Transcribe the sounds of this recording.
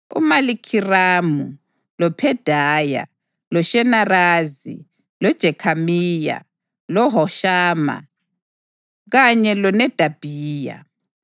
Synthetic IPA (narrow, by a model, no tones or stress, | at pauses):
ṵmalikʰiraːmu | lɔpʰɛd̥ʱaːja̰ | lɔʃɛnaraːzḭ | lɔd̥ʒ̥ʱɛkʰamiːja̰ | lɔɦɔʃaːma̰ | ɣaɲɛlɔnɛd̥ʱab̥ʱiːja̰